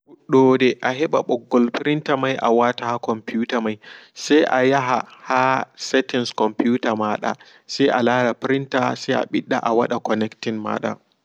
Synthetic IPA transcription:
uɗoːdeʔaɦɛɓaɓɔɡːɔlɸɪɾɪntamajʔa̰waːtahakɔmpuːtamajsaʔajaɦahasɛtɪnskɔmpjuːtamaːɗa̰ː | saʔalaːɽapɪɾɪntaːsaʔa̰ɓɪɗːaʔawɐɗakɔnɛktɪnma̰ːɗa̰ː

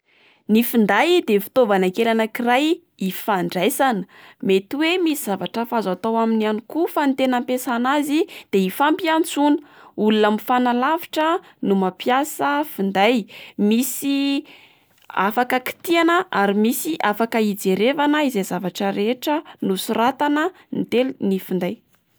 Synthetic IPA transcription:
nifind̪ajd̪efi̥t̪ovanakelanəkiraj | ifaɳɖ͡ʐajsanə̥ | met̪iwemisiz̥avaʈ͡ʂəfazat̪awaminanikufant̪enampesanazid̪̥eifampiant͡sunəulunamifanalavi̥ʈ͡ʂə | numapjasəfund̪ajmisi | a̰fakəki̥t̪ianəʔaɾimisiʔafakəid͡zeɾevanəizezavaʈ͡ʂəɾeʈ͡ʂənusurat̪anə | nit̪elunifund̪aj

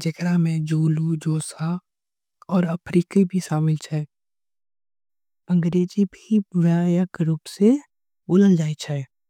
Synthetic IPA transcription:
d͡ʒɐɡɾamẽd͡ʒoːlud͡ʒoːsa | ɔːɾəpʰɾiːkibʱiʃaːmɪlt͡ʃʰɛː | ə̃ŋɡɾeːd͡ʒibʱiʋaːjəkɾupse | boːləld͡ʒaːit͡ʃʰɛ

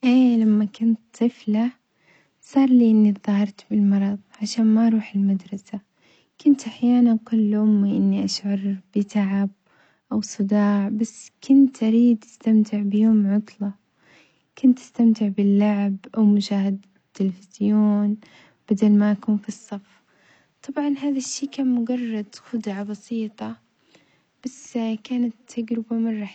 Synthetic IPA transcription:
ʔeːlamːakʊnt̪t̪ˤɨfla | sˤɑːɾˤliːʔɪnːiðˤɑhɑɾˤt̪bɪlmɑɾˤɑðˤʕaʃaːnmaʔɑɾˤuːħɪlmad̪ɾˤɑsa | kʊnt̪ʔaħjaːnankʊlːʔʊmːiʔɪnːiʔaʃʕɑɾˤb̥ɪt̪ʰaʕab̚ | ʔawsˤɨd̪ɑːʕbasːkʊnt̪ʔaɾiːd̪ʔast̪amt̪ʰɪʕbɪjʊːmʕʊt̪ˤlɑ | kʊnt̪ʔḁst̪amt̪ɪʕbɪlːaʕbʔawmʊʃaːhɪd̪ | t̪ːɪlfɪz̥joːn | b̥ad̪almaʔakuːnfisˤːɑfː | t̪ˤɑbʕɑnɦaːðaʃːiːkaːnmʊɡɑrˤːɑd̪xʊd̪ʕabɑsiːt̪ˤɑ | b̥askaːnat̪ʰːaɡɾɪbamɑrˤːɑħ

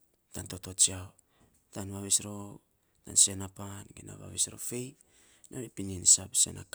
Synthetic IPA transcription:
tanto̞to̞t͡ʃiao | tanβaβisɾo | tansenapanɡina̰βa̰βisɾo̞̰fe̞j | noepininisapse̞̰na̰k

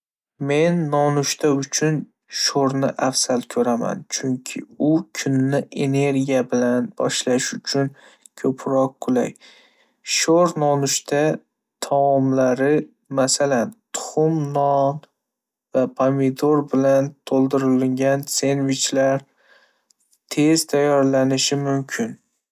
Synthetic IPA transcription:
me̞nːɒnʊʃt̪ʰaʊt͡ʃʰʊn | ʃoɾnɪʔafsalkʲʰɵɾama̰nt͡ʃʰʊŋkʲʰɪ̰ʊkʲʰʊnːɪʔe̞ne̞ɾɡʲijabɪlanbɒ̰ʃlaʃʊt͡ʃʰʊn | kʰɵpʰɾɒq̚ːʰʊla̰j | ʃoɾnɒnʊʃt̪ʰa | t̪ʰɒɒmlaɾɪ | masalant̪ʰʊ̥χʊmnɒn | vapʰamid̪oɾbɪlant̪ʰolˠd̪ɪɾɪlɪŋɡʲanse̞nvɪt͡ʃlaɾ | t̪ʰe̞z̥t̪ʰajːɒɾlanɪʃɪmʊmkʲʰɪn

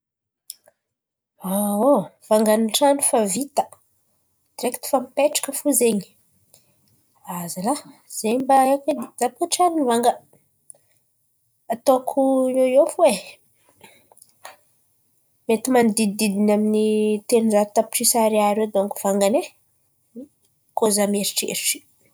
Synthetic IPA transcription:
aov̥aŋɡaniʈ͡ʂanifavit̪ə | d̪̥iɾekt̪i̥famipeʈ͡ʂḁkəfuzeɲi | azala | z̥eɲmbaeked̪zap̚oʈ͡ʂaninvaŋɡə | at̪okʰuojofuwe | met̪imanid̪id̪id̪inaminit̪enunzaɾit̪api̥ʈ͡ʂisaɾeaɾewd̪oŋkuv̥aŋɡane | kozameɾiʈ͡ʂḛɾiʈ͡ʂi̥

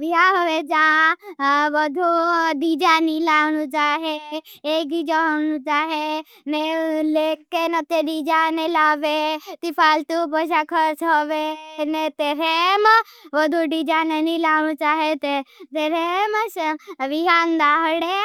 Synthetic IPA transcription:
ʋiɦaɦɔʋed͡ʒa | ʋəd̪ʱuɖid͡ʒanilaːʋnut͡ʃaːɦeː | id͡ʒaɦonut͡ʃaːɦe | neleːkːenɐt̪eɖid͡ʒanelaːʋet̪ipʰaːlt̪ubəʃakʰəɾsɦɔʋenet̪eɾemʋəd̪ʱuɖid͡ʒanenilaːʋñũt͡ʃaːɦet̪et̪eɾeməsʋiɦand̪aːɦəɽe

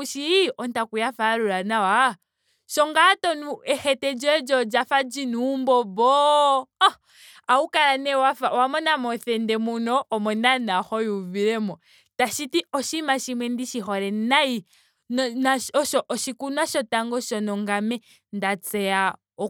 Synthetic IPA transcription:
uʃiɔntakujafaɾuɾanawa | ʃɔŋɡatɔnuɛxɛtɛd͡ʒɛd͡ʒɔd͡ʒafad͡ʒinumbɔbɔ | aukaɾanɛwafawamɔnamɔθɛndɛmunɔʔːmɔnanaxɔjuviɾɛmɔ | taʃitiɔʃimaʃimwɛndiʃixɔɾɛnai | nnaɔʃɔʔɔʃikunaʃɔtaŋɡɔʃɔnɔŋɡamɛ | ndat͡sɛa | ɔ

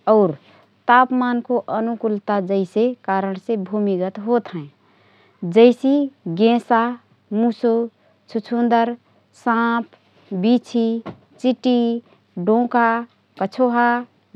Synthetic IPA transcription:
ɔʊɾ | t̪apmankoʔənukult̪ad͡ʒəɪsekaɾəñsẽbʱumiɡət̪ɦot̪ɦɛ̃ | d͡ʒəɪsiɡẽsa | muso | t͡ʃʰut͡ʃʰũnd̪əɾ | sãpʰ | bit͡ʃʰi | t͡ʃiʈi | ɖõka | kət͡ʃʰoɦa

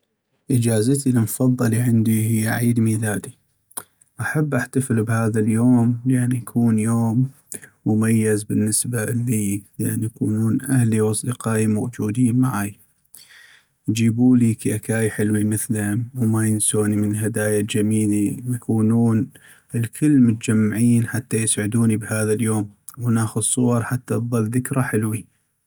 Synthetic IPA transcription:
ʔɪd͡ʒaːzɪt̪ilmfɑðˤːɑliʕɪnd̪iɦɪjːaʕiːd̪miːlaːd̪i | ʔaħabːʔaħt̪aflbhaːðaljoːmlʔanːijakʰuːnjoːmː | ʊmajːɪzbɪnːɪsbalːiːləʔanːjakuːnuːnʔahliwɑsˤd̪ɨqaːʔimowd͡ʒuːd̪iːnmaʕaːj | jd͡ʒiːbuːlikiʔakaːjħɪlwimɪθlmwmajɪnsoːnimənəlhad̪aːjald͡ʒamiːlimjkʰuːnuːn | ɪlkʰɪlːmʊt̪ad͡ʒamːaʕiːnħat̪ːajɪsʕɪd̪uːnibhaːðaljoːm | wnaːxʊd̪sˤːʊwɑɾˤħat̪ːaðˤɑlðɪkɾaħɪlwi

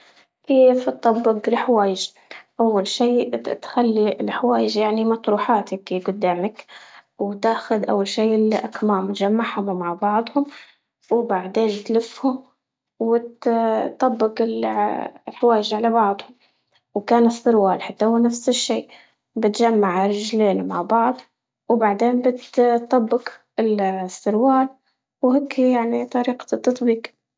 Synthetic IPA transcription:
keːft̪ˤːɑbːɪɡlħawaːjɪʒ | ʔawːalʃiːt̪xalːiɪlħawaːjɪʒjaʕnimɑt̪ɾuːħaːt̪ɪkiɡʊd̪ːaːmɪkwt̪aːxʊd̪ʔa̰wːalʃiːʔɪlʔakmaːmt̪ʒamːaʕhʊmmaʕbɑʕd̪ˤhʊm | wbaʕd̪eːnt̪lɪfhʊm | wɪt̪t̪ˤːɑbːɪqɪl | lħawaːjɪʒʕalabɑʕd̪ˤhʊm | wkaːnɨsˤːɨɾwaːlħat̪ːahʊːnafsɪʃːiː | bɪt̪ʒamːaʕɾɪʒleːnmaʕbɑʕd̪ˤ | wbaʕd̪eːnbɪt̪t̪ˤːɑbːɪq | ɪlsˤːɨɾwaːl | wheːkʰːijaʕnit̪ˤɑɾiːqɑ̥t̪ːɑt̪ˤbiːq

